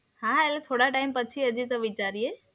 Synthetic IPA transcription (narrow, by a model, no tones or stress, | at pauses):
hãɛlt̪ʰoːɽaʈaimpət͡ʃʰiəd͡ʑit̪ɔʋit͡ʃaːɾie